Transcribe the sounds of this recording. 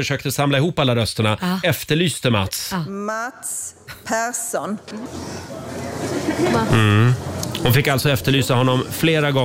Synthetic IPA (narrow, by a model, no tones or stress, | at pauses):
əʂøːk̚t̪əsamlaɪhuːpːalːaɾœst̪əɳaɛft̪əɭyːst̪əma̰t̪smat̪spʰæɾsun | m̩ | hʊnfɪkːalt̪sɔɛft̪əɭyːsahɔnːɔmfleːɾaɡɔ